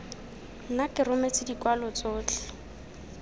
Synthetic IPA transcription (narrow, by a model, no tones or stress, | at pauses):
nakʼɪrʊmet͡sɪdikwalɔt͡soːt͡ɬʰɛ̥